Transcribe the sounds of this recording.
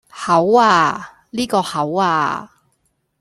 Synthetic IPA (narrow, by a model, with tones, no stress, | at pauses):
hɐ˨˥waː˧ | liː˥kɔː˧hɐ˨˥waː˧